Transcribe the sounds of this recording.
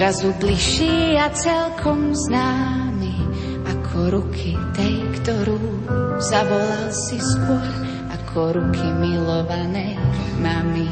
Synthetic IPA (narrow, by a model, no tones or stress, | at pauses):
ɾazubliʃiːat͡sɛlkʰɔmznaːmi | akʰɔɾukʰit̪ɛjkt̪ɔɾuː | zaʋɔlalsiskɔx | akʰɔɾukʰimilɔʋanɛjmami